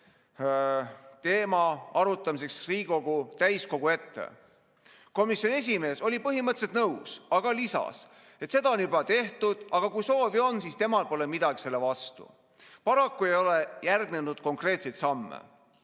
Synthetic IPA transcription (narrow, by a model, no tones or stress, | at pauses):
t̪e̞ːmɑɑɾut̪ːˑɑmis̬e̞ksriːɡo̞ɡ̥ut̪æjsko̞ɡ̥ue̞t̪ːe̞̰ | ko̞misʲjo̞nes̬ʲime̞ːso̞lʲipɤɦimɤt̪set̪nɤwsɑɡ̥ɑlisɑ̰s | e̞t̪se̞d̪ɑonybɑt̪e̞ht̪ud̪̥ɑɡ̥ɑkujso̞ːvio̞nsiːst̪e̞mɑlpo̞lemid̪̥ɑɡise̞lːe̞vɑst̪ṵ | pɑɾɑkːue̞jo̞lejærɡne̞nud̪̥ko̞ŋkre̞ːt̪se̞jt̪sɑmːḛ